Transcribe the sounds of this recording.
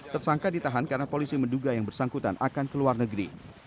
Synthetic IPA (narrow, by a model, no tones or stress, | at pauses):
t̪ərsaŋkadit̪aɦankaɾənapolisimənduɡajaŋbərsaŋkut̪a̰nʔakankəluarnəɡɾḭ